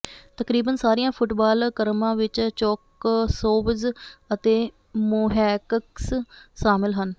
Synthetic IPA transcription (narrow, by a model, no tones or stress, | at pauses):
t̪əkɾiːbənsaːɾijãːpʰʊʈbaːlkəɾmãːʋɪt͡ʃt͡ʃɔːksoːbəd͡ʒət̪eː | mʊɦɛːkəksʃaːmɪlɦən